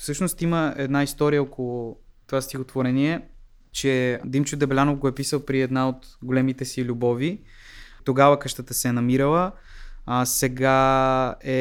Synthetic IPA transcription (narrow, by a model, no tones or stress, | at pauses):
fsɤʃnost̪iməɛd̪naist̪ɔɾijəɔkolˠʊt̪ovast̪ixot̪voɾɛniɛ | t͡ʃɛd̪imt͡ʃud̪ɛblʲanovɡoɛpisəlˠpɾiɛd̪naot̪ɡolɛmit̪ɛsilʲubɔvi | t̪oɡavəkɤʃt̪ət̪əsɛnɐmiɾəlˠə | sɛɡa | ɛ